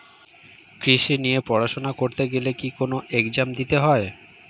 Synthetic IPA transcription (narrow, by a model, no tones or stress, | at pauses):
kɾiʃinijepɔɾaʃonakoɾt̪eɡelekikonoʔekd͡ʑamd̪it̪eɦɔe